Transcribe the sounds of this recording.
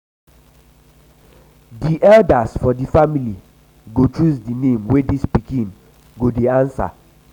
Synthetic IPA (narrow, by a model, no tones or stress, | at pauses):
diʔɛldasfɔdifamili | ɡot͡ʃusdinẽmwedispikĩn | ɡodeãnsa̰